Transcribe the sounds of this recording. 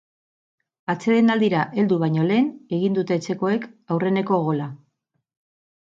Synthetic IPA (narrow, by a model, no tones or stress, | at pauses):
at͡se̞ðenald̪iɾaʔe̞ld̪uβajɲo̞le̞ːne̞ɣind̪ut̪e̞ːt͡se̞ko̞e̞kawre̞ne̞ko̞ɣ̞o̞la